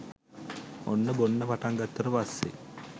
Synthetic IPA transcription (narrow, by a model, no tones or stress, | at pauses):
o̰nːəbonːəpaʈaŋɡɐt̪ːəɾəʋasːḛ